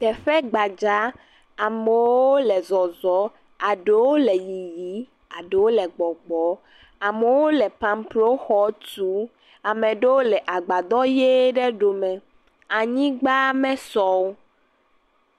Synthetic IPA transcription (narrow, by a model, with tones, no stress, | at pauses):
t̪ɛ˨ɸɛ˦ɡ͡ba˨d͡ʒa˨˦ | a˨me˨wwo˦lɛ˨zɔ˨zɔ˨˦ | a˨ɖe˦wo˦lɛ˨ji˨ji˨˦ | a˨ɖe˨wo˦lɛ˨ɡ͡bɔ˨ɡ͡bɔ˨˦ | a˨me˨wo˦lɛ˨pã˨mplo˦xɔ˦tu˦ | a˨mɛ̃˨ɖe˦wo˦lɛ˨ʔa˨ɡ͡ba˨d̪ɔ˦je˦ɖɛ˦ɖo˨mɛ̃˨ | a˨ɲĩ˦ɡ͡ba˦mɛ̃˦sɔ˦wo˦